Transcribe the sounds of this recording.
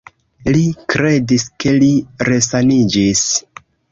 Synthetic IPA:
likɾe̞diske̞liɾe̞sanid͡ʒis

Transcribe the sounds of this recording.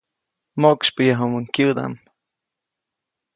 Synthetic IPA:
mokspəjaɦomuŋkjɨd̪a̰m

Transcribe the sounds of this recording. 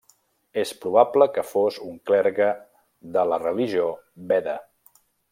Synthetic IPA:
espɾuβabləkəfozuŋklɛɾɣə | ðələrəliʒiobɛðə

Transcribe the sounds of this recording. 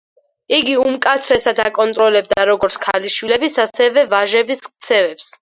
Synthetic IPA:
iɡiumkʼat̪sʰɾɛsad̪akʼɔnt̪ʼɾɔlɛb̚d̪aɾɔɡɔɾt̪sʰkʰaliʃwilɛbisasɛvɛvaʒɛbisk̚ʰt̪sʰɛvɛps

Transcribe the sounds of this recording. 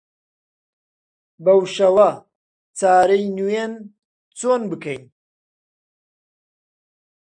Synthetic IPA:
bɐwʃɐwɐ | t͡saːɾɐjnuen | t͡soːnbɨkʰɐj

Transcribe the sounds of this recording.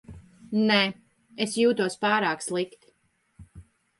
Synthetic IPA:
nɛ | esjuːt̪uɔspaːɾaːkslˠikt̪i̥

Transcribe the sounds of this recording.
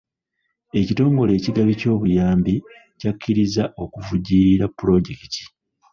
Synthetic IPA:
e̞cito̞ːŋɡo̞le̞ːciɡaβico̞ːβujaːmbi | cakʰːiɾizaʔo̞kuvuɟiːɾiɾapːuɾo̞ɟe̞kiti̥

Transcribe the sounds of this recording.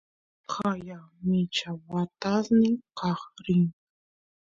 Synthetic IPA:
χɑjɑmɪt͡ʃawat̪asnɪqɑχɾɪŋ

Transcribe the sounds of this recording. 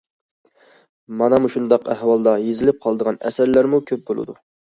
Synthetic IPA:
mɑnɑmuʃund̪ɑqæhwɑlˠd̪ɑjezɪlɪp̚qʰɑlˠəd̪əʁɑnɛ̰sæɾlæɾmukʲʰøp̚bolˠɨ̰d̪ṵ

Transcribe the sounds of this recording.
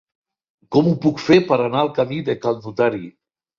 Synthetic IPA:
kɔmupukfepəɾanaəlˠkamiðekald̪ut̪aɾi

